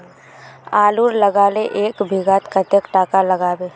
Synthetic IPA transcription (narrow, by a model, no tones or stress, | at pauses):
aːluːɾləɡaːleʔeːkbʱiɡaːt̪kat̪ekʈaːkaləɡaːbeː